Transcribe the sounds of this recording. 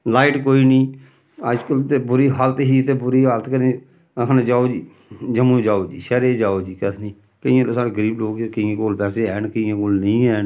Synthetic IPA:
laːɪʈkoːiːnĩː | əd͡ʒkəlt̪eːbʊɾiːɦalət̪ɦiːt̪eːbʊɾiːɦalət̪kənẽː | ɦəned͡ʒaːoːd͡ʒiː | d͡ʒəmũːd͡ʒaːoːd͡ʒḭːʃɛɾeːd͡ʒaːoːd͡ʒiːkət̪ʰnĩː | kəɪ̃ãːloːsaːɽeːɡəɾiːbloːɡekəɪãːkoːlpɛːseːɛːnkəɪjãːkoːlnəĩːɛːn

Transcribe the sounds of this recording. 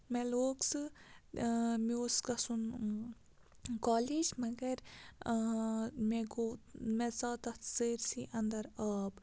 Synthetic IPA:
meloːksɨ | mioːskɐsun | kaːliːd͡ʒmɐɡɐɾ | meɡomet͡saːt̪ɐt̪səːɾsiʔɐ̃nd̪ɐɾaːb

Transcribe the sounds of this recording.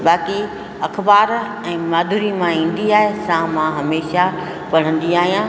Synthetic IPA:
baːki | ɐkʰbaːɾ | ɛ̃ːmaːd̪ʱʊɾimãĩːn̆d̪iaːɦesãmãɦɐmeːʃa | pɐɽ̤ə̃nd̪iaːɦijã

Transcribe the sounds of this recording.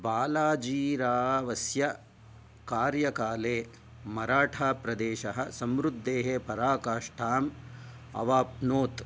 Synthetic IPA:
baːlaːd͡ʒiːɾaːʋɐsjɐ | kaːɾjɐkaːleː | mɐɾaːʈʰaːpɾɐd̪eːʃɐɦɐ̆sɐmɾud̪ːeːɦepɐɾaːkaːʂʈʰaːmɐ̰ʋaːpnoːt̪

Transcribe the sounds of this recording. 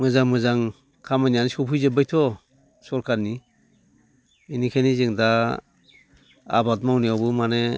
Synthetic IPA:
mɯzaŋmɯzaŋ | kʰamanijanisɔpʰujzebɯjtʰɔ | sɔɾkʰaɾni | inikʰanizɯŋda | a̰bat̚mawniawbɯmane

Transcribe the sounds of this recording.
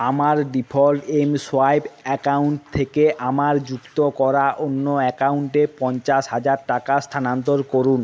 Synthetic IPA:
amaɾɖipʰolʈemsoajbɛkauɳʈ̚t̪ʰekeʔamaɾd͡ʑukt̪okɔɾaʔonːoɛkauɳʈepɔnt͡ɕaʃɦad͡ʑaɾʈakast̪ʰanant̪̬oɾkoɾun

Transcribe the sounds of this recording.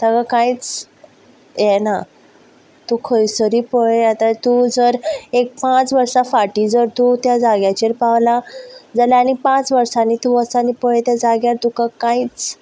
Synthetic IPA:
t̪akakait͡s | jɛna | t̪ukʰəjsəɾiːpəɭeat̪at̪ud͡zəɾek̚pãt͡sʋəɾsafaʈiːd͡zəɾt̪ut̪jad͡zaɡjat͡ɕeɾpaʋlad͡zaljaanipãt͡sʋəɾsanit̪uʋəsanipəɭet̪jad͡zaɡjaɾt̪ukakãit͡s

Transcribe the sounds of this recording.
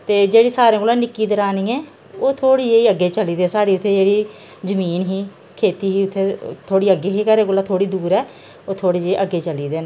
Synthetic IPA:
t̪eːd͡ʒeːɽiːsaːɾẽːkolaːnɪkːiːd̪əɾaːniːɛ̃ː | oːt̪ʰoːɽiːd͡ʒeːiːəɡːeːt͡ʃəliːd̪ɛːsaːɽiːʊt̪ʰːeːd͡ʒeːɽiː | zəmiːnɦiː | kʰeːt̪iːɦiːʊt̪ʰːeːt̪ʰoːɽiːəɡːeːɦiːkəɾẽːkolãːt̪ʰoːɽiːd̪uːɾɛː | oːt̪ʰoːɽiːd͡ʒeːiʔəɡeːt͡ʃəliːd̪eːn

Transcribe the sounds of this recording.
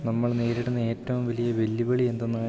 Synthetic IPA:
nɐmːɐɭne̞ːɾiɽunːɐe̞ːtːɐʋumʋɐlijɐʋe̞lːibɐɭie̞nd̪onːɐ

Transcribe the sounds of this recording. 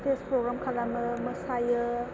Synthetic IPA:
tespɾoɡɾamkʰalaməməsajə

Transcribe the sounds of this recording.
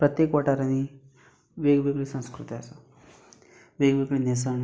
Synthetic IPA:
pɾət̪jekʋaʈaɾani | ʋeɡʋeɡɭisə̃nskɾut̪iasa | ʋeɡʋeɡɭinesan

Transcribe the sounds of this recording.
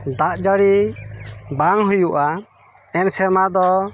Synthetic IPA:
d̪aʔd͡ʒəɽi | baŋɦujuʔa | ɛnsɛɾmad̪ɔ

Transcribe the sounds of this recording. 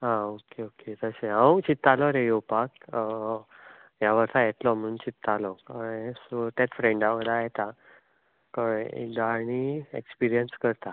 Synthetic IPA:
ɦãokeoket̪əseɦə̃wt͡ɕit̪ːalɔɾejopak | jaʋəɾt̪ajet̪lɔm̤ənt͡ɕit̪ːalɔkaest̪at̪fɾẽɳɖaʋəd̪ajɛt̪a | kəɽḛɡ̪aɳ̃iekspiɾijənskəɾt̪a

